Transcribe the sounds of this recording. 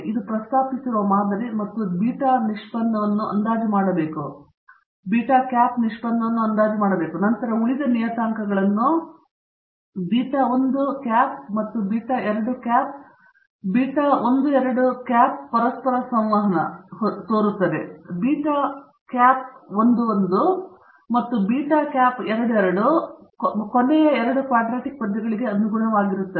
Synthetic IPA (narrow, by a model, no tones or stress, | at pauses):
id̪upɾɐst̪ʰaːpisiɾuʋɐmaːd̪ɐɾimɐt̪ːubiːʈaːniʂpɐnd̪ɐʋɐnːuʔɐ̰nd̪aːd͡ʒimaːɽɐbe̞ːku | biːʈaːkjaːpniʂpɐnd̪ɐʋɐnːuɐnd̪aːd͡ʒimaːɽɐbe̞ːkunɐnt̪ɐɾɐuɭid̪ɐnijɐt̪aːŋkɐɡɐɭɐnːu | biːʈaond̪ukaːpmɐt̪ːubiːʈaːʔɛɾɐɽukaːp̚ | biːʈaːond̪uɛɾɐɽukaːp̚pɐɾɐspɐɾɐsɐmʋɐɦɐnɐ̰t̪o̞ːɾut̪ːɐd̪ebiːʈaː | kaːp̚ond̪uond̪u | mɐt̪ːubiːʈaːkʲaːpɛɾɐɽuɛɾɐɽu | konɛjɐɛɾɐɽukʋaːɖɾaːʈik̚pɐd̪ːɐɡɐɭiɡe̞ɐnuɡuɳɐʋaːɡiɾut̪ːɐe